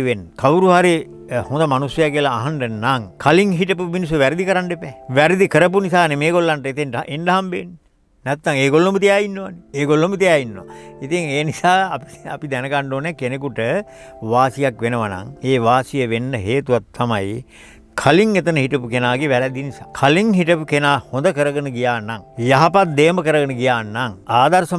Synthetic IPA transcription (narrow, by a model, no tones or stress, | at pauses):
ʋenːkʰawuɾuɦaɾi | hõnd̪amanusjɐjakelaːɦaɳɖənaŋkʰaliŋɦiʈəpuminis̬əʋæɾid̪ikəɾanɖepɛːʋæɾid̪ikəɾəp̬unisaːnemeːɡolːanʈəet̪enʔenɖɐɦambenː | næt̪ːaŋeːɡolːombət̪ijaːinːoʋanieːɡolːomət̪ijaːinːoʋa̰it̪iŋeːnisaːɐpia̰pid̪ɛnəɡaɳɖoːnɛkenekuʈə | ʋaːsijakʋenəʋana̰ŋeːʋaːsijəʋenːəɦeːt̪uʋat̪ʰːamaji | kʰaliŋet̪ənəɦiʈɐpukenaːɡeʋæɾɛd̪inisa̰ːkʰaliŋɦiʈəpukenaːhond̪əkəɾəɡənəɡijaːnːaŋjaɦapat̪̚d̪eːməkəɾəɡənəɡijaːnːaŋaːd̪aɾsə